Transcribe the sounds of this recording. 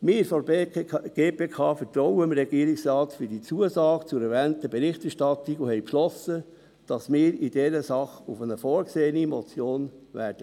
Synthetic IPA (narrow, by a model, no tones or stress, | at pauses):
mɪːɾfɔ | ɡ̥eːpeːkʰɑːfətɾɔʊəmɾɛɡ̥iːɾiksɾɑːtfydiːt͡suəsɑːɡ̥ət͡sʊɾɛɾvɛːntəbeɾɪχtɛʃtɑt̪ikohɛjpʃlɔsə | d̥ɑsmɪːɾidɛɾəsɑχufənəfɔːɾkseːənimɔt͡sjoːnvæ̰ːɾd̥ə